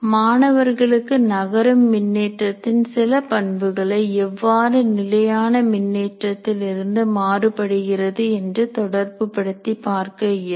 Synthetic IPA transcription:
maːnɐʋɐɾɣɐɭɯkːɯnɐɣɐɾɯmːɪnːeːʈrɐt̪ːɪnsɪlɐpɐɳbɯɣɐɭɐɪɛʋːaːɾɯnɪlɐjaːnɐmɪnːeːʈrɐt̪ːɪlɪɾɯnd̪ɯmaːrɯpɐɽɯɣɪrɐðɯɛndrɯt̪ɔɽɐɾbɯpːɐɽɯt̪ːipaːɾkɐjɪ

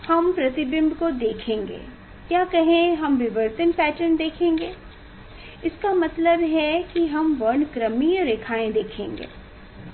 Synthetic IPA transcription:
hɐmpɾɐt̪ɪbɪ̃mbkod̪eːkʰẽːŋɡḛː | kjaːkɐɦẽɦɐmʋɪʋəɾt̪ənpɛːʈəɾnd̪eːkʰẽːŋɡeː | ɪskamɐt̪ləbɦɛkiɦɐmʋɐɾɳkɾəmiɔɾeːkʰaːẽd̪eːkʰḛ̃ːŋɡḛː

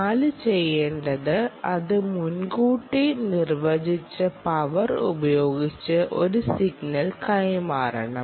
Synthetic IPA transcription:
aːlɨt͡ɕejːeːɳɖɐðɨɐðɨmunɡuːʈːinirʋɐd͡ʑit͡ɕːɐpɐʋɐrṵbɐjoːɡit͡ɕːɨʔo̰ɾusiɡnɐlkɐjɐmaːɾɐ̰ɳɐ̰

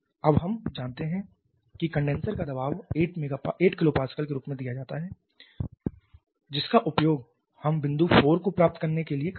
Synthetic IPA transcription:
ɐbɦɐmd͡ʒaːnt̪eɦɛ̃ | kikɐ̃ɳɖɛ̃ːnsəɾkad̪ɐbaːʋeːʈmeɡapʔeːʈkɪlopaːɾsɪ̥kəlk̬eɾuːpmẽd̪ijad͡ʒaːt̪aɦɛː | d͡ʒɪskaʔʊpjoːɡ | hɐmbɪ̃nd̪ufoːɾkopɾaːp̚t̪kɐɾnekelie

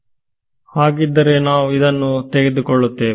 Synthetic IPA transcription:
haːɡid̪ːɐɾe̞naːʋuid̪ɐnːut̪ɛɡed̪ukɔɭːut̪ːe̞ː

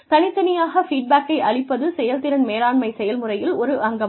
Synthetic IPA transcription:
t̪ɐnɪt̪ːɐnɪjaːɣɐfiːʈ̚baːkːɐɪʔɐɭɪpːɐðɯsɛjɐlt̪ɪɾɐnmeːlaːɳmɐɪsɛjɐlmʊrɐjɪlɔɾɯʔɐŋɡɐ

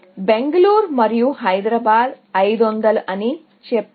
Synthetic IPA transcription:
beŋɡɐluːɾmɐɾijuɦɐjd̪ɾɐbaːd̪ | ɐjd̪ond̪ɐluʔɐni | t͡ʃɛpː

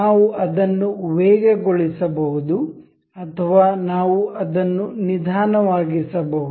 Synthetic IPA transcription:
aːwuʔɐd̪ɐnːuʋɛːɡɐɡoɭisɐbɐɦud̪u | ɐt̪ʰɐʋaːnaːʋuʔɐd̪ɐnːunid̪ʱaːnɐʋaːɡisɐbɐɦu

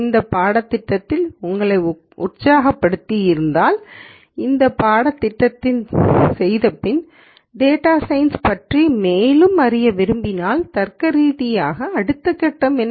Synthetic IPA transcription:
nd̪ɐpːaːɽɐt̪ːɪʈːɐt̪ːɪlʊŋɡɐɭɐɪ | ʊ̰rsaːɣɐpːɐɽɯt̪ːɪjɪɾɯnd̪aːl | ɪnd̪ɐpaːɽɐt̪ːɪʈːɐt̪ːɪnsɛjðɐpːɪn | ɖeːʈaːsɐjnspɐʈrimeːlɯmɐrɪjɐʋɪɾɯmbɪnaːlt̪ɐrkɐɾiːðɪjaːɣɐːɽɯt̪ːɐkːɛʈːɐmɛn

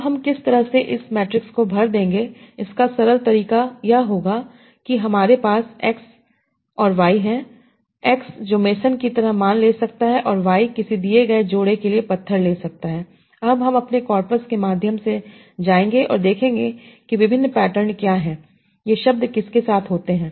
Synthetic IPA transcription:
ɦɐmkɪst̪ɐɾəɦseʔɪsmɛːʈɾɪkskobʱɐɾd̪ẽːŋɡe | ɪskasɐɾəlt̪ɐɾiːkajaɦoːɡa | kiɦɐmaːɾepaːsɛːks | ɔːɾʋaːiɦɛ̃ | ɛːksd͡ʒoːmeːʃənkit̪ɐɾəɦmaːnleːsɐk̚t̪aɦɛʔɔːɾʋaːikɪsid̪ieɡɐed͡ʒoːɽekeliepɐt̪ʰːəɾleːsɐk̚t̪aɦɛː | ɐbɦɐmɐpnekɔːɾpəskemaːd̪ʱjəmse | d͡ʒaːẽːŋɡeʔɔ̰ːɾd̪eːkʰẽːŋɡekiʋɪbʱɪnːpɛːʈəɾnkjaːɦɛ̃ː | jeʃɐb̚d̪kɪskesaːt̪ʰɦoːt̪eɦɛ̃ː

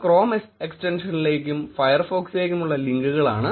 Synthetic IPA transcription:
kro̞ːmeseksʈenʂɐnile̞ːk̬ʲːumfɐjɐrfo̞ːksile̞ːkʲːumuɭːɐliŋɡuɣɐɭa̰ːɳɨ

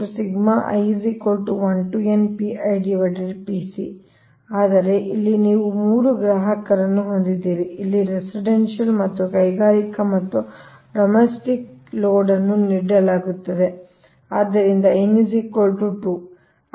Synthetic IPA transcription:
usiɡmaʔɐ̰jsikoːlʈuʋɐnʈuenpiɐjɖiʋɐɖɐɾpiːsi | aːd̪ɐɾe̞ʔilːiniːʋumuːɾuɡɾaːɦɐkɐɾɐnːuɦo̞nd̪id̪ːiːɾiːlːiɾesiɖenʂɐlmɐt̪ːukɐjɡaːɾikɐmɐt̪ːu | ɖɔmesʈikloːɖɐnːuniɽɐlaːɡut̪ːɐd̪e̞ | aːd̪ːɐɾind̪ɐenːsikolʈuʈu

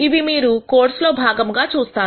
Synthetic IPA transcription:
iʋimiːɾukoːɾslo̞ːbʱaːɡɐmɡaːt͡ʃuːst̪aː

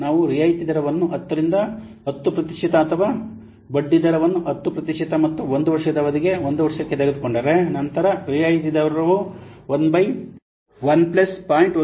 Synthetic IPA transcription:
naːʋuɾijaːjit̪id̪ɐɾɐʋɐnːuɐt̪ːɐɾind̪ɐ | ɐt̪ːupɾɐt̪iʂit̪ɐːt̪ʰɐʋaː | bɐɖːid̪ɐɾɐʋɐnːuʔɐt̪ːupɾɐt̪iʂit̪ɐmɐt̪ːuʋond̪uʋɐɾʂɐd̪ɐʋɐd̪iɡe̞ʋond̪uʋɐɾʂɐkːet̪eɡed̪uko̞ɳɖɐːɾe̞nɐnt̪ɐɾɐɾijaːjit̪̬id̪ɐɾɐʋuond̪bɐj | ʋɐnplɐspaːjiɳʈo

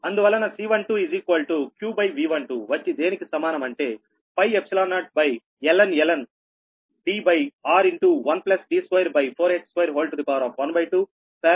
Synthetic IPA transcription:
ɐnd̪uʋɐlːɐnɐsiːʋɐɳʈuːiziːkɐlʈukjuːbɐjʋiːʋɐɳʈuʋɐt͡ʃːid̪e̞ːnikisɐmaːnɐmɐɳʈe̞ː | pɐjepsɐlaːnaːʈ̚bɐj | ɛlɐnɛlɐn | ɖiːbɐjaːɾiɳʈuʋɐnplɐsɖiːskwɐjɾbɐjpʰoːɾekskwɐjɾɦoːlɖ̚ʈud̪ipaːɾɐmʋɐnbɐjʈuː | pʰɐ

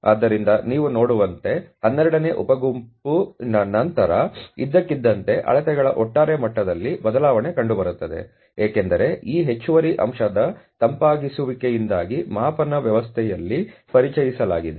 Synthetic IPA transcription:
a̰ːd̪ːɐɾind̪ɐniːʋuno̞ːɽuʋɐnt̪e̞hɐnːɛɾɐɽɐne̞ːʔupɐɡumpunɐnɐnt̪ɐɾɐid̪ːɐkːid̪ːɐnt̪e̞ʔɐ̰ɭɐt̪ɛɡɐɭɐʔɔʈːaːɾemɐʈːɐd̪ɐlːibɐd̪ɐlaːʋɐɳe̞kɐɳɖubɐɾut̪ːɐd̪e̞̰ | eːke̞nd̪ɐɾe̞ʔiːɦe̞t͡ʃːuʋɐɾiʔɐ̰mʂɐd̪ɐt̪ɐmpaːɡisuʋikejind̪aːɡimaːpɐnɐʋjɐʋɐst̪ʰɛjɐlːipɐɾit͡ʃɐjisɐlaːɡid̪e

